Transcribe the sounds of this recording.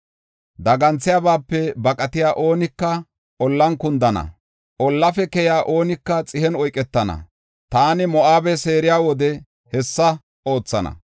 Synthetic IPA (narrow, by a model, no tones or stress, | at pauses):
d̪ɐɡɐnt͡sːɪjaːbaːpːɛbɐkʼɐt̪ɪjaːʔoːnɪkːɐ | ʔɔlːɐnkʊnd̪ɐnɐ̰ | ʔɔlːɐfɛkɛjaːʔo̞ːnɪkːɐt͡sʼɪhɛnɔjkʼːɛt̪ːɐnɐ̰ | t̪aːnɪmɔʔaːbɛse̞ːɾɪjaːwɔd̪ɛ | hɛsːɐ | ʔo̞ːt͡sːɐnɐ̰